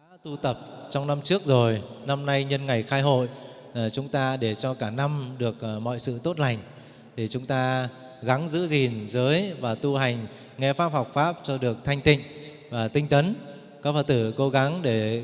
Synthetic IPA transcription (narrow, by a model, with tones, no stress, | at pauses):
a˧˥t̪u˧t̪ə˨˩p̚t͡ɕɔ˧wŋ͡mna˧mt͡ɕɨ˦˥ək̚zo˨˩jna˧mna˧jɲə˧nŋa˨˩jxaː˧jɦo̰˧˨j | t͡ɕʊ˨˦ŋ͡mt̪aː˧ɗe˧˩t͡ɕɔ˧kaː˧˩na˧mɗɨ˨˩ək̚mɔ̰˧˨jsɨ̰˧˨t̪o˦˥t̚la˨˩jŋ̟ | t̪ʰi˨˩t͡ɕʊ˨˦ŋ͡mt̪aː˧ | ɣa˨˦ŋzɨ̰˧˥zi˨˩nzəː˨˦jvaː˨˩t̪u˧ɦa˨˩jŋ̟ | ŋɛ˧faː˦˥p̚ha˨˩wk͡p̚faː˦˥p̚t͡ɕɔ˧ɗɨ˨˩ək̚t̪ʰa˧jŋ̟t̪ḭ̈˧˨ŋ̟ | vaː˨˩t̪ï˧ŋ̟t̪ə˨˦n | kɔː˨˦fə˧t̪ɨ˧˩ko˨˦ɣa˨˦ŋɗe˧˩